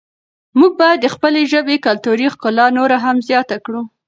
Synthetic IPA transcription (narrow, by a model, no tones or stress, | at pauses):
muɡ̚bɑjad̪ːəxpəleʒəbekalt̪uɾixkʊlɑnoɾaɦamzjɑt̪akɽu